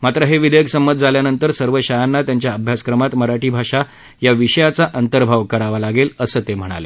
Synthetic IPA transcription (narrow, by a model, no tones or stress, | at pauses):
mat̪ɾəɦeʋid̪ʱəjəkʰsəmət̪̚d͡zʱaljanənt̪əɾsəɾʋəɕajanːat̪jaɲt͡ɕjaəbʱjaskɾəmat̪məɾaʈiːbʱaʂa | jaʋiɕəjat͡saʔənt̪əɾbʱaʋkəɾaʋalaɡeləsəːt̪em̤əɽ̃a̰le